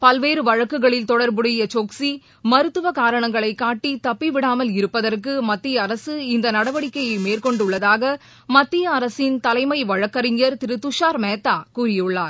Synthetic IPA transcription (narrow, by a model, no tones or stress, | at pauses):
pɐlʋeːɾɯʋɐɻɐkːɯɣɐɭɪlt̪ɔɽɐɾbɯɽɐjɐt͡ʃoːksi | mɐɾɯt̪ːɯʋɐkaːɾɐɳɐŋɡɐɭɐɪkːaːʈːit̪ɐpːiʋɪɽaːmɐlɪɾɯpːɐðɐrkɯmɐt̪ːɪjɐːɾɐsɯɪnd̪ɐnɐɽɐʋɐɽɪkːɐjɐɪmeːrkɔɳɖɯɭːɐðaːɣɐ | mɐt̪ːɪjɐːɾɐsɪnt̪ɐlɐɪmɐɪʋɐɻɐkːɐɾɪŋjɐɾt̪ɪɾɯt̪ːʊʂaːɾmeːt̪ːaːkuːɾɪjɯɭːaːɾ